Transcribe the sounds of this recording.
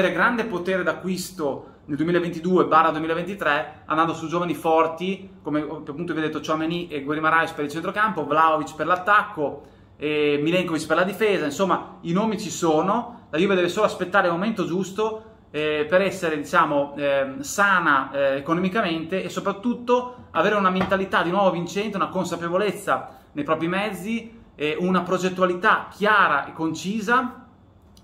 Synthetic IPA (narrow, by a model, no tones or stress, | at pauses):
eːɾeɡɾand̪epot̪eːɾed̪akːwist̪o | neld̪uwemilaevent̪id̪uːebarːad̪wemilevent̪it̪ɾɛand̪and̪osud͡ʒoːvanifɔrt̪ikomeppːunt̪ovjed̪et̪ːot͡ʃoamːeniʔeɡweɾimaɾajt͡ʃpeɾilt͡ʃent̪ɾokampovlaovit͡ʃperlat̪ːakːo | emilɛŋkovit͡ʃperlad̪ifeːzainsomːainoːmit͡ʃisoːnolajuːved̪ɛːvesoːloaspet̪ːaːɾemoment̪od͡ʒust̪o | ɛpeɾɛsːeɾed̪it͡ʃaːmosaːnaekonomikament̪eʔesːopɾat̪ːut̪ːoaveːɾeunament̪alit̪ad̪inwɔːvovint͡ʃɛnt̪eunakonsapevolet̪sːa | nejpɾɔːpɾimɛd̪zːi | ɛunapɾod͡ʒet̪ːuwalit̪ak̟ʰːjaːɾa̰ʔekːont͡ʃiːza